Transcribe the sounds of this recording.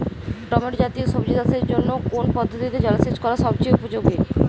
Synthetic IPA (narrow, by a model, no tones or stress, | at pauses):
ʈɔmeʈd͡ʑat̪ioʃobd͡ʑid̪aseɾd͡ʑonːokonpɔd̪ʱːot̪ʰit̪ed͡ʑɔlaset͡ɕkɔɾaʃɔbt͡ɕejupod͡ʑoɡe